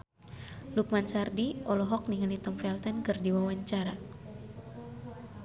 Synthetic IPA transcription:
luk̚mansardiʔɔlɔɦɔk̚niŋalit̪ɔmfɛlt̪ɛnkɨrdiwawaɲt͡ʃaɾa

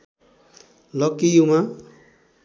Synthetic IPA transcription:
lʌkijumã

